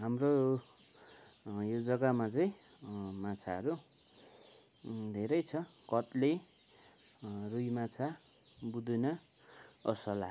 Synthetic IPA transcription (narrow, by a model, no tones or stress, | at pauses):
ɦamro | jod͡zʌkamat͡sʌĩ | mat͡sʰaʌɾu | d̪ʱeɾʌjt͡sʰʌkʌt̪le | rujmat͡sʰa | bud̪unʌ | ʌsʌla̰